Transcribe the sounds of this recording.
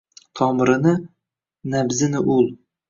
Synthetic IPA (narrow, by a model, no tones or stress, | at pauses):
t̪ʰɒmɾɪnɪ | nabzɪnɪʔʊlˠ